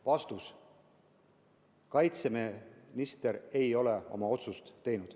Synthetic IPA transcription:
vɑst̪us | kɑjt̪semenist̪e̞ɾe̞jo̞le̞o̞̰mɑo̞t̪sust̪ːe̞jnud̪̥

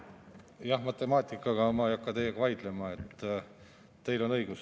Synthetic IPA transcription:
jɑhmɑt̪ːˑe̞mɑːt̪ʲˑikːˑɑɡ̥ɑmɑejɑkːɑt̪ejːeɡ̥ɑvɑjd̪̥le̞mɑet̪ː | t̪e̞jlo̞nɤjɡ̥us

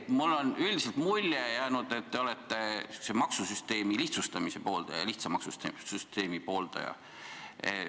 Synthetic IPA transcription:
mulːo̞nyld̪iselt̪mulʲːejæːnud̪̥e̞t̪ːe̞o̞let̪ːesemɑksusyst̪e̞ːmiliht̪sust̪ɑmisepo̞ːld̪̥ɑjɑ̰liht̪sɑmɑksut̪syst̪e̞ːmipo̞ːld̪̥ɑ̰jɑ̰

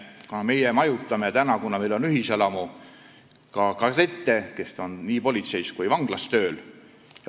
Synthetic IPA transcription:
kunɑme̞jɛmɑjut̪ˑːɑmet̪ænɑkunɑmejlo̞nyɦiselɑmu | kɑkɑset̪ˑːe̞ke̞st̪o̞nniːpo̞lʲit̪se̞jskujvɑŋɡ̥lɑst̪ø̞ːl | j

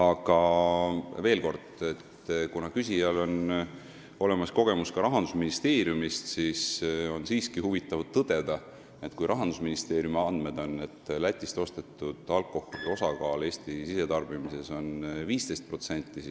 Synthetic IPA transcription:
ɑɡ̥ɑ | ve̞ːlko̞rd̪̥e̞t̪ | kunɑkys̬ʲijɑlo̞n | o̞le̞mɑsko̞ɡ̥e̞muskɑɾɑɦɑnd̪̥usminist̪e̞ːɾjumist̪siso̞nsiːskihuvit̪ˑːɑvt̪ːɤd̪̥e̞d̪̥ɑ | et̪ːˑkujɾʔɑɦɑnd̪̥usminist̪e̞ːɾjumeɑnd̪me̞d̪̥o̞nːe̞t̪ːˑlæt̪ʲːˑist̪o̞st̪e̞t̪ːˑud̪̥ɑlkːo̞holio̞sɑkɑːle̞ːst̪isise̞t̪ɑrb̥imise̞so̞nviːst̪e̞jst̪̚pro̞t̪se̞nt̪ːˑisi

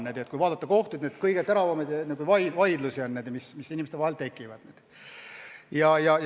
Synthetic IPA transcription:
nːed̪̥ekujvɑːd̪̥ɑt̪ːɑko̞ht̪ud̪ned̪kɤjɡ̥et̪æɾɑvɑmed̪jɑnekuijvɑjvɑjd̪lusionːed̪̥mismisːinimest̪ɑhelt̪e̞kːˑivɑd̥̪ned̪̥ | jɑjɑj

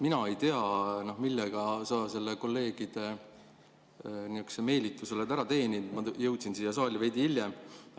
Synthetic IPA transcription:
minɑe̞jt̪e̞ɑnohmilːeɡ̥ɑsɑːse̞lːeko̞lːe̞ːɡ̥id̪̥e̞ | niykseme̞ːlit̪ːˑuselet̪æɾɑt̪e̞ːnʲind̪mɑjɤwt̪sinsiːjɑs̬ɑːlʲɑve̞jd̪iiljem

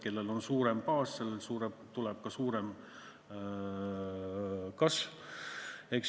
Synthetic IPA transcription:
ke̞lːe̞lo̞nsuːɾempɑːsse̞lːelsuːɾebt̪ulɛb̥̚kɑsuːɾem | kɑsv | ehks

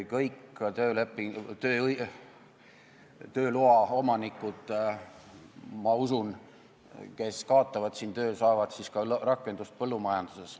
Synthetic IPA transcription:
kɤjkt̪øːlepːˑit̪øː | t̪ø̞ːluɑo̞mɑnikːˑud̪̥ | mɑusun | ke̞skɑːt̪ːˑɑvɑd̪siːnt̪ø̞ːsɑːvɑd̪̥siskɑrɑkːˑe̞nd̪ust̪̚pɤlːumɑjɑnd̪̥use̞s

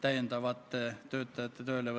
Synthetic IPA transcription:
t̪æjnt̪ɑʋɑt̪ːt̪øːt̪ːæt̪ːɑt̪øileʋɑ

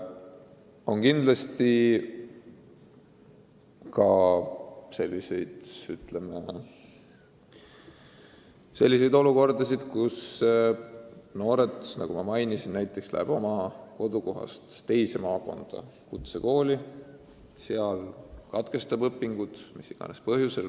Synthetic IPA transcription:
o̞nkind̪lɑst̪i | kɑ | se̞lʲːise̞jd̪̥yt̪leme | se̞lʲːise̞jd̪o̞luko̞rd̪̥ɑs̬id̪̥kus | no̞ːɾe̞t̪ˑsnɑ̰ɡ̥umɑmɑjnisinnæjt̪ːˑe̞kslæ̰eb̥o̞mɑko̞d̪̥uko̞ɦɑ̰st̪t̪e̞jse̞mɑːko̞̰nd̪̥ɑ̰kut̪seko̞ːli | seɑlkɑt̪ke̞st̪ɑbɤpːˑiŋɡ̥ud̪̥misiɡ̥ɑ̰nespɤɦjusel

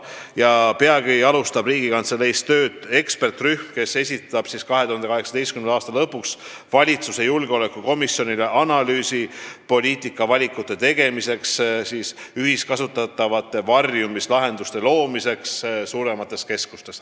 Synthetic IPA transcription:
jɑpeɑɡ̥iɑlust̪ɑb̥riːɡ̥ikɑnt̪sele̞jst̪ø̞ːd̪̥e̞kspe̞rt̪ryhmke̞se̞sʲit̪ːˑɑb̥siskɑɦe̞t̪uhɑnd̪eɑɦe̞ksɑd̪e̞jst̪̚kymnd̪ɑːst̪ɑlɤpːuks | vɑlʲit̪suse̞julɡeo̞le̞kːˑuko̞misjo̞nileʔɑnɑlyːsipo̞lʲiːt̪ˑikːˑɑvɑlʲikˑːut̪ːˑe̞t̪e̞ɡ̥e̞mise̞kssiːsyɦiskɑsut̪ːˑɑt̪ːˑɑvɑt̪ːˑe̞vɑrjumislɑɦe̞nd̪ust̪e̞lo̞ːmise̞kssuːɾe̞mɑt̪ːˑe̞ske̞skust̪e̞s

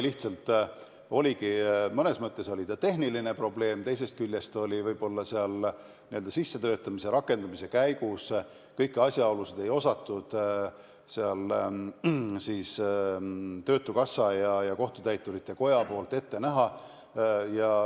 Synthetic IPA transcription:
liht̪sɑlt̪ˑ | o̞lʲikimɤne̞smɤt̪ːˑe̞so̞lʲit̪ɑt̪e̞ɦniline̞pro̞ble̞ːmt̪e̞js̬e̞st̪̚kylʲjest̪o̞lʲivɤjb̥o̞lːɑseɑl | niøld̪̥ɑsisːe̞t̪øːt̪ːˑɑmise̞ɾɑkːˑe̞nd̪̥ɑmise̞kæjkus | kɤjkːˑɑsʲjɑolused̪̥e̞jo̞sɑt̪ːˑud̪̥ | seɑl | siːs | t̪ø̞ːt̪ːˑukɑsːɑjɑjɑko̞ht̪ut̪æjt̪ːˑuɾit̪ːˑe̞ko̞jɑpo̞ːlt̪ˑe̞t̪ːe̞næɦɑ | jɑ

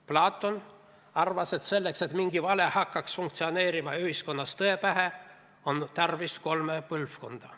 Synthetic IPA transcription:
plɑːt̪ːˑo̞n | ɑrvɑse̞t̪se̞lːekse̞t̪miŋɡ̥ivɑle̞hɑkːɑksfuŋkt̪sio̞ne̞ːɾimɑyhisko̞nːɑst̪ɤepæɦe | o̞nt̪ɑrvisko̞lmepɯlfkond̪̥ɑ

